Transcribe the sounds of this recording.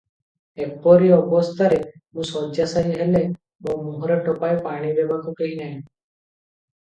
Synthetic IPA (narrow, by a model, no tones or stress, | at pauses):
ek̚pɔɾiɔbɔst̪ʰaɾemũsɔd͡ʒjasaɦĩɦɛle | momuɦɔɾeʈɔpaepaɽ̃ibebakukeɦinaɦĩ